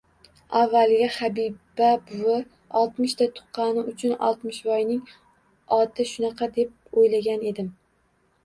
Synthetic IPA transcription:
avːalɡʲahabibabʊwɪ | ɒlˠt̪mɪʃt̪at̪ʰʊ̥qːɑnɪʊt͡ʃʰʊnɒ̰lˠt̪mɪʃvɒjnɪŋ | ɒt̪ʰɪʃʊnɑqʰɑd̪e̞p̚ojlaɡʲane̞d̪ɪm

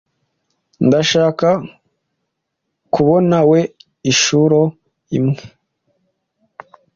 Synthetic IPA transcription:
ndaʃaːka | kuβo̞nawe̞ | iʃuɾo | imŋe̥

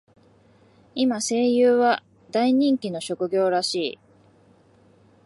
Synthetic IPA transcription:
imase̞ːjɯːβa | d̪aiɲ̟ĩŋkʲino̞ɕo̞kɯ̟ɡʲo̞ːɾaɕiː

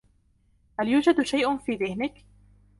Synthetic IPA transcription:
haljuːd͡ʒad̪ʃajʔʊfiːðɪhnɪk

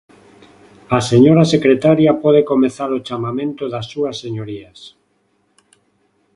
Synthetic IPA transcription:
aseɲoɾasekɾet̪aɾjapɔð̞ekomeθaɾot͡ʃamamẽnt̪oðasːuasːeɲoɾias

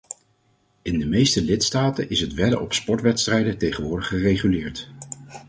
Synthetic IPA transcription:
ɪndəmejstəlɪtstaːtənʔɪsɦətʋɛdə̰ɹɔpspɔɹtʋɛtstrɛjdətejχənʋʊːɹdəχχərejχylɪːɹt

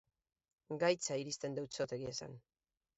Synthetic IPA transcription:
ɡajt͡saiɾist̪e̞nd̪ewt͡sot̪e̞ɣiesa̰n

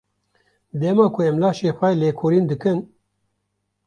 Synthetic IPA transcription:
d̪eːmɑːkʰʊɛmlaːʃeːxʷɛleːkʰoːɾiːnd̪ɨkɨn

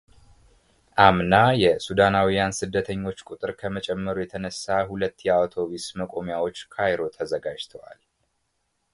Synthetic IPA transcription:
ʔamnajɛsud̪anawijansɨd̪ːət̪ʰəɲːo̞t͡ʃːkʼut̪ʼɨɾkʰəmət͡ʃʼɛmːəɾujɛt̪ʰənəsːahulət̪ːjɛawt̪ʰo̞βisməkʼo̞mjawo̞t͡ʃːkʰajɾo̞t̪ʰəzəɡad͡ʒt̪ʰəwa̰l

